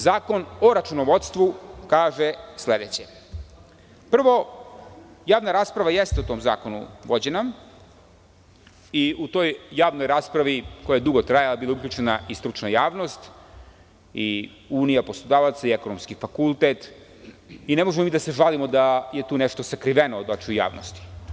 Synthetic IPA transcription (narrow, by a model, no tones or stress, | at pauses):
zaːko̞noɾat͡ʃunoʋo̞t̪st̪ʋukaːʒesle̞d̪et͡ɕe | pr̩ʋo̞ | jaːʋnaɾaːspɾaʋajest̪eut̪o̞mza̰ːko̞nṵʋo̞d͡ʑena | iut̪o̞jːaːʋnojɾaːspɾaʋiko̞jajed̪uɡot̪ɾajalˠabilˠaukʎʲut͡ʃenaʔist̪ɾut͡ʃnajaːʋno̞st̪ | i | uːnijaposlˠod̪aːʋat̪saieko̞nomskifakulˠt̪et̪ | ine̞moʒemomiːd̪aseʒalimo̞d̪ajet̪uːneʃt̪o̞sakɾiʋenod̪ot͡ʃuja̰ːʋno̰st̪i̥